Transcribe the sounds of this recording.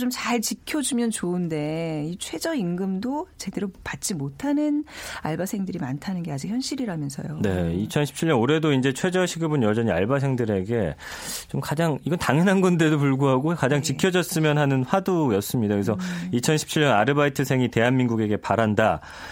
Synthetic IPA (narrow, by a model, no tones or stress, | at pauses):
t͡ɕomt͡ɕaɭt͡ɕikʰjʌd͡ʑumjʌnt͡ɕoɯnde̞it͡ɕʰwe̞d͡ʑʌinɡɯmdot͡ɕe̞de̞ɾopat̚t͡ɕ͈imotʰanɯnaɭbasʰeŋdɯɾimantʰanɯnɡe̞ad͡ʑik̚çjʌnɕ͈iɾiɾamjʌnsʰʌ̰jone̞it͡ɕʰʌnɕʰi̥p̚t͡ɕʰiɭʎːʌnoɾe̞doind͡ʑe̞t͡ɕʰwe̞d͡ʑʌɕʰiɡɯbɯnjʌd͡ʑʌɲia̰ɭbasʰe̞ŋdɯɾe̞ɡe̞ | t͡ɕomkad͡ʑaŋiɡʌntaŋjʌnɦanɡʌnde̞dopuɭɡuɦaɡokad͡ʑaŋt͡ɕikʰjʌd͡ʑʌs͈ɯmjʌnɦanɯnɸwadujʌs͈ɯmɲidakɯɡesʰʌit͡ɕʰʌnɕʰi̥p̚t͡ɕʰiɭjʌnaɾɯbaitʰɯsʰeŋite̞ɦanminɡuɡe̞ɡe̞paɾanda